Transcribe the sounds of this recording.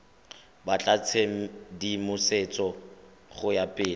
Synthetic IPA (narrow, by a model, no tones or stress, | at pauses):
bat͡ɬʼat͡sʰeŋ̩dimʊset͡sʼɔ | χʊjapʼɪːl